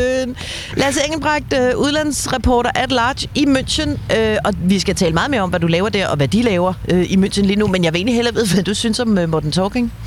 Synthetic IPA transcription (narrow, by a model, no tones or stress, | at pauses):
n | læɐseŋl̩b̥ʁɑ̈ɡ̥̚d̥øʔuð̞ˠlæn̰sʁɑpʰɒ̰ːɾɐʔæd̥lɑ̥̈ːɕimøn̰ɕənøɒ̽ʋisɡ̥æt͡sʰɛːləmɑ̈ːð̩ˠme̝ɐɒ̽mʋædulɛːʊɐd̥æɐ̰ʔɒ̽ʋæd̥ilɛːʊɐøʔimønɕənliːnumenjɑ̈ʋ̝e̝ːnlihelɐʋe̝ð̞ˠʋænd̥usynsɒ̽mømod̥n̩t͡sʰɔːɡ̥eŋ